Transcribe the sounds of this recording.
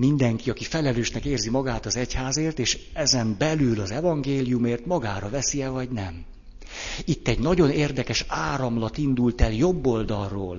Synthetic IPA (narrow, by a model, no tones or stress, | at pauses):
mind̪ɛŋkiɒkifɛlɛløːʃnɛkeːrzimɒɡaːt̪ɒzɛchaːzeːrt̪eːʃɛzɛmbɛlylɒzɛvɒŋɡeːlijumeːrt̪mɒɡaːɾɒvɛsiɛvɒɟnɛm | it̪ːɛɟnɒɟo̞neːrd̪ɛkɛʃaːɾɒmlɒt̪ind̪ult̪ɛljo̞bːo̞ld̪ɒlroːl